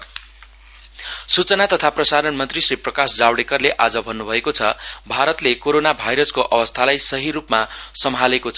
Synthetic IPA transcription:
sut͡sʌnat̪ʌt̪ʰaprʌsaɾʌnmʌnt̪risriprʌkasd͡zawɽekʌrleʔad͡zʌbʱʌnːubʱʌekot͡sʰʌbʱaɾʌt̪lekoɾonabʱajɾʌskoʔʌbʌst̪ʰalajsʌɦiɾupmasʌmʱalekot͡sʰʌ

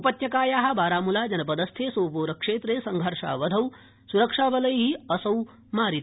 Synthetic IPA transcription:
upɐt̪jɐkaːjaːɦɐ̆baːɾaːmulaːd͡ʒɐnɐpɐd̪ɐst̪ʰeːsoːpoːɾɐkʂeːt̪ɾeːsɐŋɡʱɐɾʂa̰ːʋɐd̪ʱɐw | suɾɐkʂaːʋɐlɐjɦiɐsɐw | maːɾit̪i

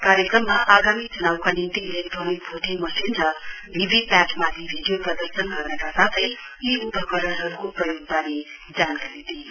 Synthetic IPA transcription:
kaɾjekrʌmːaʔaɡamit͡sunawkanint̪iilek̚ʈronik̚bʱoʈʰemʌsinɾʌ | bʱibʱipaʈʰmat̪ʰibʱiɖijoprʌd̪ʌrsʌnɡʌrnʌkasat̪ʰʌj | iupʌkʌɾʌnɦʌɾukoprʌjoɡ̚b̪ane | d͡zankaɾid̪ʱi

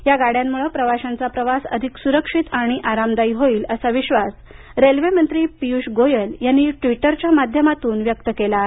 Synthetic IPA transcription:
jaɡaɽ̤jamːuɭəpɾəʋaɕãnt͡sapɾəʋasə̰d̪ʱiksuɾəkʂit̪aɽ̃iʔaɾamd̪aiːɦoiːləsaʋiɕʋas | ɾelʋemənt̪ɾiːpiuɕɡojəljanːiʈʋiʈəɾt͡ɕjamad̪ʱjəmat̪uːnʋjək̚t̪əkela

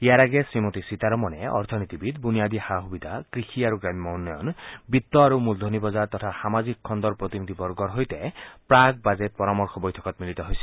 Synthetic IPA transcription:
ijaɾaɡesɾimot̪isit̪aɾɔmɔneɔ̰ɾt̪ʰɔnit̪ibid̪bunijad̪ihaɦubid̪ʱakɾixʰiaɾuɡɾammɔwnːɔjɔ̰nbit̪ːɔaɾumuld̪ʱonibɔzaɾt̪ɔt̪ʰasamazikʰːɔnd̪ɔɾpɾot̪inid̪ʱibɔɾɡɔɾɦojt̪ɛpɾaɡ̚bad͡zet̪̚pɔɾamɔɾxʰɔbojt̪ʰɔ̥kɔt̪milit̪ɔɦojsʰi̥

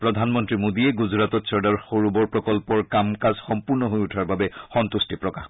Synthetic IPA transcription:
pɹɔd̪ʱanmɔntɹimodiɛɡʊzɹatɔtsɔɹdaɹxoɹubɔɹpɹɔkɔlpɔɹkamkazxɔmpuɹnɔɦojutʰaɹbabɛxɔnt̪ustipɹɔkax

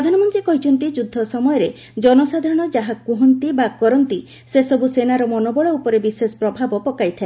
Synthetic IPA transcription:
ɾɾɔd̪ʱanɔmɔnt̪ɾikɔɦit͡ʃʰɔnt̪id͡ʒud̪ʱːɔsɔmɔjɔɾe | d͡ʒɔnɔsad̪ʱaɾɔɽ̃ɔd͡ʒaɦakuɦɔnt̪ibakɔɾɔnt̪i | sesɔbusenaɾɔmɔnobɔɭɔupɔɾebisesɔ̥pɾɔbʱabɔpɔkajt̪ʰae

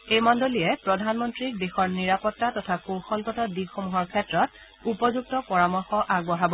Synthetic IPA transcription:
ejmɔndoliɛpɹɔdʱanmɔntɹik̚dexɔɹniɹapɔtːatɔtʰakoxɔlkɔtɔdiɡxomuɦɔɹkʰɛtɹɔt̚ | upɔzuɡ̚tɔpɔɹamɔɹxɔʔaɡbɔɦabɔ

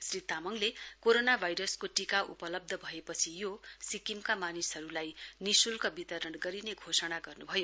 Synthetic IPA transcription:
srit̪amʌŋlekoɾonabʱajɾʌskoʈikaʔṵpʌlʌb̚d̪ʱʌbʱʌepʌt͡sʰijosikimkamanisɦʌɾulajnisulkʌbit̪ʌɾʌɳɡʌɾineɡʱosʌɽaɡʌrnubʱʌjo

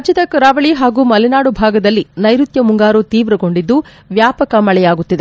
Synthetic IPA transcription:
d͡ʒit̪ɐkɐɾaːʋɐɭiɦaːɡuːmɐlinaːɽubʱaːɡɐd̪ɐlːinɐjɾut̪jɐmuŋɡaːɾut̪iːʋɾɐɡo̞ɳɖid̪ːu | ʋjaːpɐkɐmɐɭɛjaːɡut̪ːid̪e

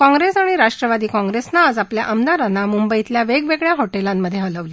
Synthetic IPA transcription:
kɔ̃ŋɡɾesaɽ̃iɾaʂʈɾəʋad̪iːkɔ̃ŋɡɾesnaad͡zaplja̰ʔəmnaɾanːamumbəit̪ljaʋeɡʋeɡɭjaɦoʈelamːəd̪ʱːjeələʋli

